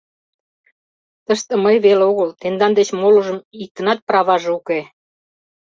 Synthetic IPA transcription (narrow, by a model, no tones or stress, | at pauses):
t̪əʃt̪ĕməjβeleoɣəlt̪end̪ɑnd̪et͡ɕmoluʒə̆mik̚t̪ənɑt̪̚prɑβɑʒuke